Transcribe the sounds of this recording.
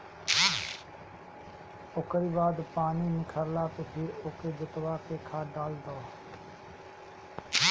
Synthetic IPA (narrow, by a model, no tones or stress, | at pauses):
okəɾiːbaːd̪paːniːnɪkʰəɾlaːt̪opʰɪɾoːkeːd͡ʒət̪waːkeːkʰaːɖaːld̪oː